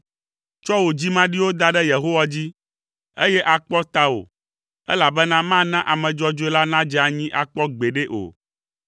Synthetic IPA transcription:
t͡ʃɔ˦wo˨d͡ʑi˦mã˦ɖi˦wo˦d̪a˨ɖɛ˦je˨ɦo˦wa˦d͡ʑi˦ | e˦jɛ˦ʔa˨k͡pɔ˦t̪a˦o̰˨ | ɛ̰˦la˨bɛ˦nã˦mã˦nã˦ʔa˨mɛ̃˨d͡ʒɔ˦d͡ʒo˦e˦la˦nã˦d͡ʒɛ˦a˨ɲĩ˦ʔa˨k͡pɔ˦ɡ͡be˨ɖe˦ʔo̰˨

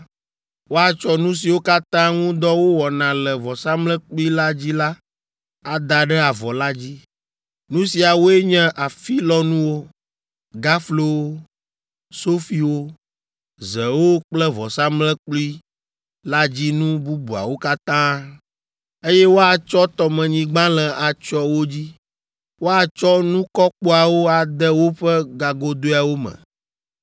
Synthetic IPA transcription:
wo˦a˦t͡ʃɔ˦nũ˦s̬i˨wo˦ka˦t̪ã˦ŋũ˦d̪ɔ˦wo˦wɔ˨nã˨lɛ˨vɔ˨sa˦mlɛ̃˦k͡pli˦la˦d͡ʑi˦la˦ | a˨d̪a˨ɖɛ˦a˨vɔ˨la˦d͡ʑi˦ | nũ˦si˨a˨wo˦e˦ɲɛ̃˦ʔa˨fi˦lɔ˦nũ˦wo˦ | ɡa˦flo˦ | so˦fi˦wo˦ | zɛ˨wo˦k͡plɛ˦vɔ˨sa˦mlɛ̃˦k͡pli˦ | la˦d͡ʑi˦nũ˦bu˦bu˨a̰˨wo˦ka˦t̪ã˦ | e˦jɛ˦wo˦a˨t͡ʃɔ˦t̪ɔ˨mɛ̃˨ɲĩ˦ɡ͡bã˦lɛ̃˨ʔa˨t͡ʃɔ˦wo˦d͡ʑi˦ | wo˦a˨t͡ʃɔ˦nũ˦kɔ˦k͡po˦a˨wo˦a˨d̪ɛ˦wo˦ɸɛ˦ɡa˨ɡo˦d̪o˦a˨wo˦mɛ̰̃˨

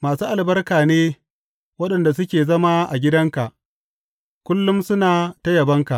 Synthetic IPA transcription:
maː˨suː˦ʔa˨lbɐ˦rkaː˨neː˦ | wɐ˦ɗɐ˨nda˨s̬ʊ˦kʲeː˨zɐ˦ma˦ʔa˨ɡʲɪ˦dɐ˦ŋka˨ʔ | kʷʊ˦lːʊ˦msʊ˦naː˨tɐ˦jɐ˨bɐ˦ŋka˨ʔ

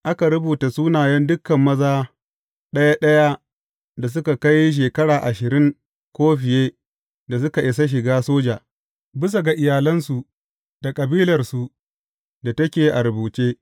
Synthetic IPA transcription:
ʔa˦ka˨ɾʊ˦buː˨ta˨suː˦naː˨jɐ˦ndʊ˦kːɐ˨mːɐ˦zaː˦ | ɗɐ˦ja˦ɗɐ˦ja˦ | da˨s̬ʊ˦ka˨ka˦jʃ̬eː˨kɐ˦ɽaː˨ʔa˨ʃɪ˨ɾɪ˦ŋ | kʷoː˦ɸɪ˨jeː˦ | da˨s̬ʊ˦ka˨ʔɪ˨s̬a˦ʃ̬ɪ˨ɡaː˦soː˦d͡ʒaː˨ | bɪ˦s̬a˨ɡa˨ʔɪ˨jaː˨lɐ˦nsu˨ | d̥a˨kʼɐ˨biː˦lɐ˨rsu˨ | da˨tɐ˦kʲeː˨ʔa˨ɾʊ˨buː˨t͡ʃeː˦

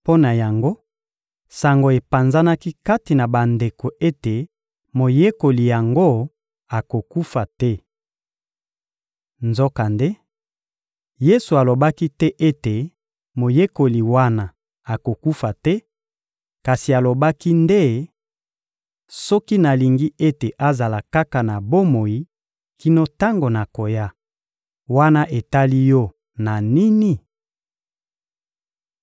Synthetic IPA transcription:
po˦na˨ja˨ŋɡo˦ | sa˨ŋɡo˨e˨pa˨nza˦na˦ki˦ka˦ti˨na˨ba˨nde˨ko˨ʔe˦te˨ | mo˨je˦ko˨li˨ja˨ŋɡo˦ | a˨ko˨ku˦fa˨tɛ˦ | nzɔ˦ka˨nde˦ | je˦su˨a˨lo˨ba˦ki˦tɛ˦ʔe˦te˨ | mo˨je˦ko˨li˨wa˦na˨ | a˨ko˨ku˦fa˨tɛ˦ | ka˨si˨a˨lo˨ba˦ki˦nde˦ | sɔ˦ki˦na˨li˨ŋɡi˦ʔe˦te˨ʔa˦za˨la˨ka˦ka˨na˨bo˦mo˨ji˦ | ki˦no˦ta˦ŋɡo˨na˨ko˨ja˦ | wa˦na˦ʔe˨ta˦li˦jɔ˦ | na˨ni˦ni˦

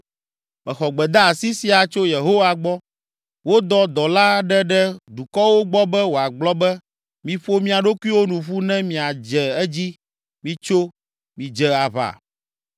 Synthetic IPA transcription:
mɛ̃˨xɔ˨ɡ͡bɛ˨d̪a˦˨si˦si˦a˨t͡ʃo˦je˨ɦo˦wa˦ɡ͡bɔ˦ | wo˦d̪ɔ˦d̪ɔ˨la˦ɖɛ˦ɖɛ˦d̪u˨kɔ˦wo˦ɡ͡bɔ˦bɛ˦wo˨a˨ɡ͡blɔ˦bɛ˦ | mĩ˨ɸo˦mĩ˦a˨ɖo˦ku˦i˦wo˦nũ˨ɸu˦nɛ̃˦mĩ˨a˨d͡ʒɛ˨ɛ˦d͡ʑi˦ | mĩ˦t͡ʃo˦ | mĩ˨d͡ʒɛ˨a˨βa̰˨

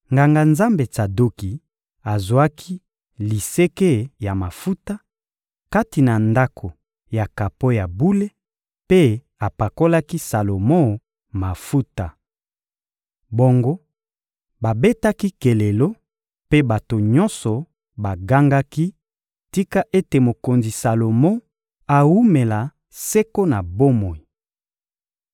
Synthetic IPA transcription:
ŋɡa˨ŋɡa˨nza˦mbe˨ta˨do˦ki˨ | a˨zwa˦kʰi˦ | li˨se˦ke˦ja˨ma˨fu˦ta˦ | ka˦ti˨na˨nda˦kʰo˨ | ja˨ka˨po˦ja˨bu˦le˦ | pe˦ | a˨pa˨ko˦la˦ki˦sa˨lo˨mɔ̃˦˨ | ma˨fu˦ta˨ | bo˦ŋɡo˦ | ba˨be˦ta˦ki˦ke˨le˨lo˦ | pe˦ba˨to˨ɲɔ˦nsɔ˨ | ba˨ɡa˦ŋɡa˦ki˦ | ti˦ka˦ʔe˦te˨mo˨ko˨nzi˨sa˨lo˨mɔ̃˦ | a˨wu˦me˨la˨ | se˦ko˦na˨bo˦mo˨i˨

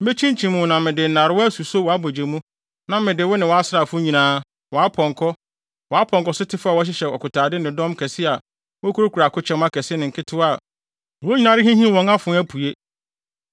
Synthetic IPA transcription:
m̩˦be˦t͡ɕʰĩ˦ɲ˦t͡ɕʰĩ˨mʊ̃˨nã˨mɪ̃˨dɪ˨nã˨ɾɪ˦wɔ˦æ˦su˨so˦wɔ˨a˦bo˨d͡ʑe˨mũ˦ | nã˨˦mɪ̃˨dɪ˨wʊ˦nɪ̃˨wɔ˨˦a˦sɾa˨fʊ˦ɲĩ˨nãː˦ | wɔ˨a˦pʰɔ̃˨ŋkʰɔ˦ | wɔ˨a˦pʰɔ̃˨ŋkɔ˨sɪ˦tʰɪ˦fʊ˦a˨wɔ˦ɕ̬ɪ˦ɕɛ˨ɔ˨kʰʊ˨tʰaː˨dɪ˦nɪ̃˨dɔ̃˦mkʰɛ˨sɪ˦a˨ | wɔ˦kʰu˦ɾo˦kʰu˨ɾa˨kʊ˦t͡ɕʰɛ̃˦m˦a˦kʰɛ˨sɪ˦nɪ̃˨ŋ̩˨kʰɪ˦tʰʊ˦a˦˨ | wo˦ɲĩ˦˨nã˦ɾɪ˦ɦĩ˦ɦĩ˦wɔ̃˨˦ŋa˦fʊ̃˨˦æ˦pʰu˨e˦

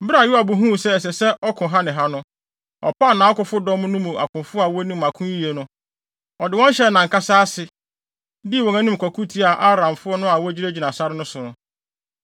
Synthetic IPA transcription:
bɪ˦ɾa˨ju˦a˨bʊ˨ɦũ˦˨sɛ˦ɛ˨sɛ˨sɛ˦ɔ˦kʰʊ̃˨ɦa˦nɪ̃˨ɦa˦nʊ̃˦ | ɔ̰˨pʰa˦˨nã˨˦kʊ˨fʊ˦dɔ̃˦mʊ̃˦nʊ̃˦mũ˨a̰˨kʰʊ̃˨fʊ˦a˨wɔ˦nĩ˦m˨a˨kʰʊ̃˦ji˦e˨nʊ̃˦ | ɔ˨dɪ˨wɔ̃˦n˦ɕɛ˦˨nã˨ŋkʰa˦saː˦sɪ˨˦ | di˦˨wɔ̃˨ŋã˦nĩ˦m̩˨kʰɔ˨kʰu˦tʰi˦a˨ʔa˦ɾã˨mfʊ˦ɔ˦nʊ̃˦a˨wɔ˦d͡ʑi˦ɾe˦d͡ʑi˨nã˨sa˦ɾɪ˦nʊ̃˦sʊ˨nʊ̃˨˦

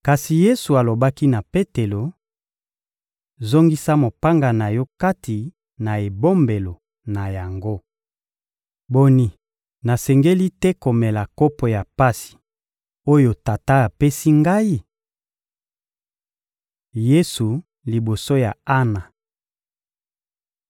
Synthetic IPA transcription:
ka˨si˨je˦su˨a˨lo˨ba˦ki˦na˨pe˦te˨lo˨ | zo˦ŋɡi˦sa˦mo˨pa˦ŋɡa˨na˨jɔ˦ka˦tʰi˨ | na˨e˨bo˦mbe˨lo˨ | na˨ja˨ŋɡo˦ | bo˦ni˦ | na˨sɛ˨ŋɡe˦li˦tɛ˦ko˨mɛ˨la˨ko˦po˨ja˨pa˦si̥˨ | o˦jo˨ta˨ta˦a˨pe˦si˦ŋɡa˦i˦˨ | je˦su˨ | li˨bo˨so˦ja˨a˦na˨

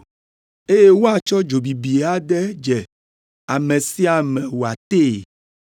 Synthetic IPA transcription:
e˦je˦wo˦a˨t͡ʃɔ˦d͡ʒo˨bi˨bi˨e˨a˦ɖɛ˦d͡ʒɛ˨ | a˨mẽ˨si˦a˨mɛ̃˨wo˨a˨t̪e˦˨

